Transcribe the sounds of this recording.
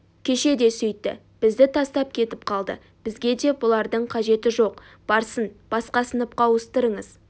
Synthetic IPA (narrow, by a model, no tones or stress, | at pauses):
kʲʰe̞ʃe̞d̪e̞sʏjt̪ːɪ̰ | b̥ɪzd̪ɪt̪ʰɑst̪ɑp̚kʲʰe̞t̪ɪp̚qʰɑlˠd̪ə̰ | b̥ɪzɡʲe̞d̪e̞bʊlˠɑɾd̪əɴqʰɑʒe̞t̪ɪʒo̞q | b̥ɑɾsənb̥ɑsqɑsənəp̚qɑwəst̪əɾəɴəz